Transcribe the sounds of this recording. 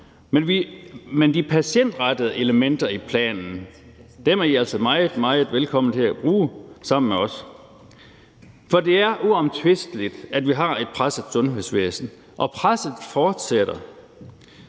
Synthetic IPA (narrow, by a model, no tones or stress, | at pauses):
menʋimend̥ipʰæɕen̰d̥ʁɑd̥əð̩ˠe̝ləmen̰d̥ɐipʰlɛ̰ːnn̩d̥emæɐiæl̰səmɑ̈ɪð̩ˠmɑ̈ɪð̩ˠʋelkʰɒ̽mn̩t͡sʰe̝læb̥ʁuːsɑ̈m̰n̩meɒ̽s | fɒ̽d̥e̝æɐʔuɒ̽mt͡sʰʋe̝sd̥lid̥æd̥ʋiɦɑ̈e̝d̥̚pʰʁasæsɔ̽nɦe̝̰sʋḛːsn̩ | ʔɒ̽pʰʁasð̩ˠfɒːd̥seɾ̥ɐ